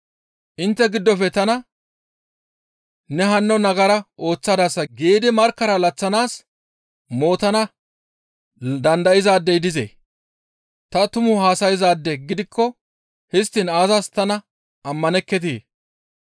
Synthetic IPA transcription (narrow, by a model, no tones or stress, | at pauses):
ʔɪnt̪ːɛɡɪd̪ːɔfɛt̪ɐnɐ | nɛɦɐnːɔnɐɡɐɾɐʔo̞ːt͡sːad̪asːɐɡeːd̪ɪmɐɾkːɐɾɐlɐt͡sːɐnaːs | mo̞ːt̪ɐnɐ | d̪ɐnd̪ɐjɪzaːd̪ːɛjd̪ɪzḛː | t̪ɐt̪ʊmʊhaːsɐjɪzaːd̪ːɛɡɪd̪ɪkːɔ | hɪst̪ːɪnaːzɐst̪ɐnɐ | ɐmːɐnɛkːɛt̪̬iː